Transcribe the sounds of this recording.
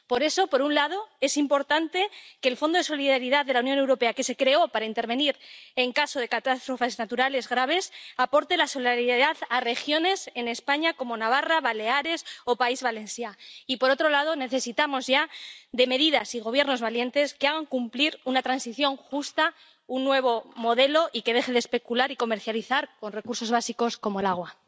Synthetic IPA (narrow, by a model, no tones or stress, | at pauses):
po̞ɾe̞so̞po̞ɾunlað̞o̞e̞simpo̞ɾt̪ant̪e̞keːlfo̞nd̪oe̞so̞liðaɾiðaððe̞launjo̞ne̞wɾo̞pe̞ake̞se̞kɾe̞o̞paɾaint̪e̞ɾβ̞e̞niɾe̞ŋkaso̞ð̞e̞kat̪ast̪ɾo̞fe̞znat̪uɾale̞zɣɾaβ̞e̞sapo̞ɾt̪e̞laso̞liðaɾiððaðare̞xjo̞ne̞se̞ne̞spaɲako̞mo̞naβ̞araβale̞aɾe̞so̞paizβale̞nsjaipo̞ɾo̞t̪ɾo̞lað̞o̞ne̞θe̞sit̪amo̞zʝaðe̞me̞ðiðasiɣ̞o̞β̞je̞ɾno̞zβalje̞nt̪e̞skeaɣ̞aŋkumpliɾunat̪ɾansiθjo̞ŋxust̪a | unːwe̞β̞o̞mo̞ðe̞lo̞ʔike̞ð̞e̞xe̞ðespe̞kulaɾiko̞me̞ɾθjaliθaɾko̞nre̞kuɾso̞zβasiko̞sko̞mo̞elaɣ̞wa